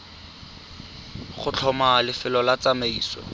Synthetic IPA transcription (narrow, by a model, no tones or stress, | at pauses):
χʊt͡ɬʰɔmalɪfɪlɔlat͡sameiːsɔ̰